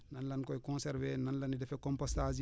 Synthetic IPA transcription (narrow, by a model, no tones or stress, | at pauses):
nanlɐnkɔjkɔ̃nsɛɾvɛnɐnlɐnidɛfɛkɔ̃mpɔstas̬i